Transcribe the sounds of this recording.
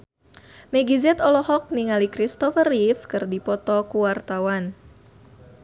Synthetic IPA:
mɛɡizɛt̪ɔlɔɦɔk̚niŋalikɾist̪ɔfərifkɨrdipɔt̪ɔkuwart̪awan

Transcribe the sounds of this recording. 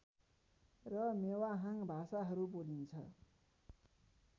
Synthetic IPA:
rʌmewaɦaŋbʱasaɦʌɾubolint͡sʰʌ̰

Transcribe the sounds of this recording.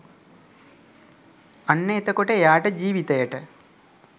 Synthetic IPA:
ɐnːeːt̪ɐkoʈejaːʈɨd͡ʑiːʋit̪ɐjɐʈɨ

